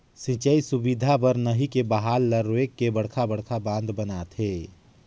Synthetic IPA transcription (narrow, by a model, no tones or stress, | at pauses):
sĩt͡ʃəisubid̪ʱapəɾnəɦikebəɦaːlːəɾoekːebəɽ̤kʰabəɽ̤kʰabãːnd̪bənat̪ɦeː